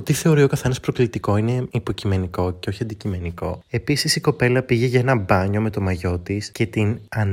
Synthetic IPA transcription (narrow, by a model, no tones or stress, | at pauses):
ot̪iθe̞o̞ɾio̞kɐθe̞nɐspɾoklit̪iko̞ine̞ipo̞cime̞niko̞ce̞o̞çiɐnd̪icime̞niko̞̰e̞pisisiko̞pe̞lɐpiʝe̞ʝɐenɐbɐɲo̞me̞t̪o̞mɐʝo̞t̪isce̞t̪inɐn